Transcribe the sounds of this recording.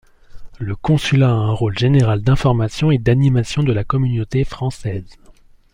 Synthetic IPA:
ləkɔ̃sylaːɛ̃ʁolʒeneʁald̪ɛ̃fɔʁmasjɔ̃ed̪animasjɔ̃d̪əlakɔmynot̪efχɑ̃sɛːz

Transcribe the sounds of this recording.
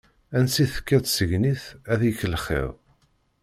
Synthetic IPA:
ænsiθə̥kːæt͡ssəʝniθæðjçləχɪ̰ðˤ

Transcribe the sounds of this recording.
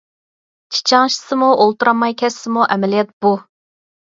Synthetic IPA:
t͡ʃʰi̥t͡ʃʰɑŋʃi̥sɨmuʔolˠt̪uɾɑmːɑjkʲʰɛsːɨmuʔɛmɛlijɛt̪̚b̥u

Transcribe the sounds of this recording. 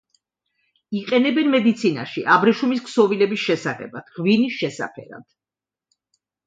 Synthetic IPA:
iqʼɛnɛbɛnmɛd̪it̪sʰina̰ʃiʔabɾɛʃumisksɔvilɛbisʃɛsaχɛ̰bad̪̥ʁvinisʃɛsa̰pʰɛ̰ɾa̰d̪̥

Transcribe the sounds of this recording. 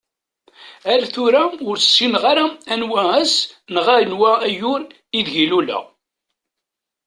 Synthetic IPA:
æɾæθʊɾæʊɾsːinʁaɾaænwææsnʁæɾənwææjʊɾ | iðʝilulæ̰

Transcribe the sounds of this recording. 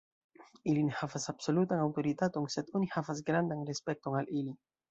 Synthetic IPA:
ilinehavasabso̞lutanawto̞ɾitato̞nse̞do̞nihavas̬ɡɾandanɾespe̞k̚to̞nalili

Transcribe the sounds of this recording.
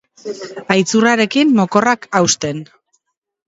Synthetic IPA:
ajt͡suraɾe̞kimːo̞ko̞rakawst̪e̞n

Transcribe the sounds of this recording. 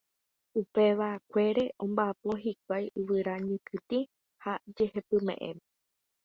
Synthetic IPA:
upe̞ʋakʷe̞ɾe̞ʔõ̞mbaapo̞ɦik̚ʷajɨʋɨɾaɲɨ̃kɨt̪i | had͡ʒe̞he̞pɨmẽ̞̰ʔḛ̃me

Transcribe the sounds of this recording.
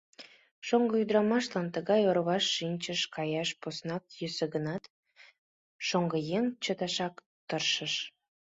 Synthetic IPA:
ʃoŋɡəyd̪ɾɑmɑʃlɑnt̪əɣɑjoɾβɑʃːinʲt͡ɕəʃkɑjɑʃposnɑk̚jyseɣənɑt̪ | ʃoŋɡəjeŋt͡ɕət̪ɑʃɑk | t̪ərʃəʃ

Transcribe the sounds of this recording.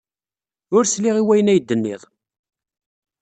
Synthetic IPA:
ʊɾsliʁiwæjənæjd̪ːənːḭðˤ

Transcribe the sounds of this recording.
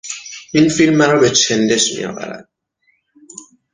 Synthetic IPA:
ʔinfilmːæɾɔːbe̞t͡ʃʰe̞nd̪e̞ʃmḭjɒ̰ːvæ̰ɾæ̰d̪̥̚

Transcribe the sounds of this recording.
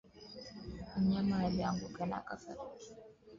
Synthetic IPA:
m̩ɲamajaliaŋɡukɛna̰kasa̰ɾiti̥

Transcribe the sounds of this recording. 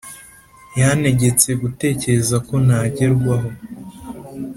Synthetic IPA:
jane̞ɟe̞t͡se̞ɡute̞ːce̞ɾe̞zako̞naɟe̞ɾɡwaɦo̞

